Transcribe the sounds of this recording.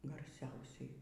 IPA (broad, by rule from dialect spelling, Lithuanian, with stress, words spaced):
ɡɐrʲˈsʲɛʊsʲɛɪ